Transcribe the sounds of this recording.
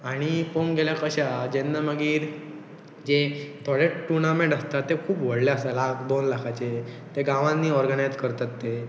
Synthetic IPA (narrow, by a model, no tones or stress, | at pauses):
aɽ̃ipomɡeljakəɕad͡ʑenːaməɡiːɾ | d͡ʑet̪ʰɔɭeʈːunamẽɖəst̪at̪ːekʰuːpʋəɽleəsalakd̪onlakʰat͡ɕe | t̪eɡãʋãnːiːɔɾɡənajd͡zkəɾt̪at̪ːe